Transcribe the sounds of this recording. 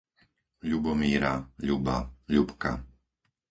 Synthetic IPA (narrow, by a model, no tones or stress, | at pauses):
ʎubɔmiːɾaʎubaʎupka̰